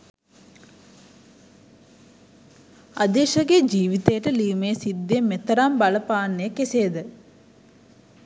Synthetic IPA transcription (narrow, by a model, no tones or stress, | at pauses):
ad̪eːʃɐɡed͡ʒiːʋit̪əjəʈəliːmejsid̪ːemet̪ɐɾambɐləpaːnːejəkeseːd̪ə